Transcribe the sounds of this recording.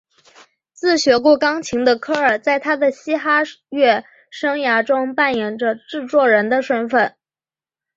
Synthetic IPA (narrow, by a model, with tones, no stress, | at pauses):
t͡sɹ̩˥˩ɕɥɛ˧˥ku˥˩kɑ˥ŋt͡ɕʰi˧˥ŋd̪ə˧kʰɤ˥ə˞˨˩t͡sa˥˩ɪt̪ʰa˥d̪ə˨ɕi˥xa˥ɥɛ˥˩ | ʂɤ˥ŋja˧˥ʈ͡ʂʊ˥ŋpa˥˩njɛ˨˩ŋʈ͡ʂə˧ʈ͡ʂɻ̩˥˧t͡swɔ˥˩ɻə˧˥nd̪ə˧ʂwə˥nfə˨˩n